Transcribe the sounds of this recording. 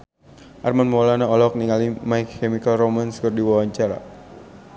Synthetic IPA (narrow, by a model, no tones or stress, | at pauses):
ʔarmanmɔlanaɔlɔk̚niŋalimajkɛmikalromanskɨrdiwawaɲt͡ʃaɾa̰